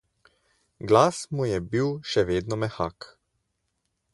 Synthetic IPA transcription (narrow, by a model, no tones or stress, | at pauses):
ɡlaːsmujɛbiwʃɛʋeːd̪nɔmɛxa̰ːk